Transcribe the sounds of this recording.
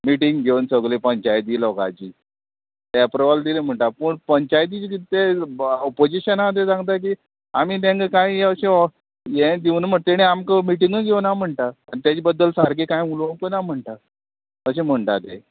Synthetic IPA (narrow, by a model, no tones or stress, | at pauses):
miʈiŋɡɡʱewnsəɡlepəɲt͡ɕajt̪̬iːlɔka̰t͡ɕiː | t̪ɛpɾəʋald̪ilem̤əɳʈapəɳpəɲt͡ɕajt̪id͡ʑkit̪eɔpod͡ʑiɕənad̪esãŋɡt̪̬ak̬iː | amit̪̬ãŋkakãĩəɕẽ | jẽd̪iwnəm̤əɳt̪eɽ̃eamkəmiʈiŋɡəɡʱewnam̤əɳʈ̪aːnt̪jat͡ɕibəd̪ːəlsaɾkekãjmulokonam̤əɳʈ̪a | əɕem̤əɳʈ̪at̪e